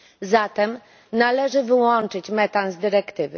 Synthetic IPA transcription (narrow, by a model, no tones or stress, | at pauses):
zat̪ɛm | nalɛʐɘvɘwɔnt͡ʂɘt͡ɕmɛt̪anzd̪ɘɾɛkt̪ɘvɘ̰